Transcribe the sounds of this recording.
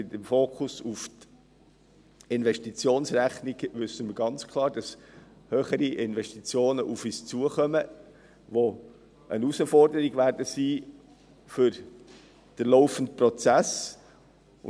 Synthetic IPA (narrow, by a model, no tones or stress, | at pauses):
ɪtɛmfoːkʰʊsuft | ɪnʋɛʃtit͡sjoːnsɾæχniɡ̥ʋʏsəməɾɡɑnt͡skʰlˠɑːɾd̥ɑs | høːχəɾiʔɪnvɛʃtit͡sjoːnəʔufiːst͡suəχœmə | ʋo | ənusəfɔrdəɾiɡʋæɾdəsiː | fʏɾ | d̥əɾloʊfəntprɔt͡sæs